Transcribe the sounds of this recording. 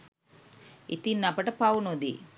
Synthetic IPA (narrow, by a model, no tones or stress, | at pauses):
ḭt̪inːapɐʈɐpaːwunod̪ḭ